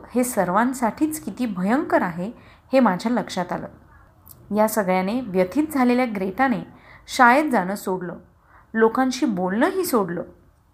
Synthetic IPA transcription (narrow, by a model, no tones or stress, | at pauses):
hesəɾʋãnsaʈʰiːt͡skit̪iːbʱəjəŋkəɾaɦe | hemad͡ʑʱjaləkʂat̪alə̰ː | jasəɡɭjaneʋjət̪ʰiːt̪̚d͡zʱaleljaɡɾeʈaneɕajəd̪̚d͡zaɽ̃əːsoɽlə | lokãɲɕiːbolnəɦiːsoɽləː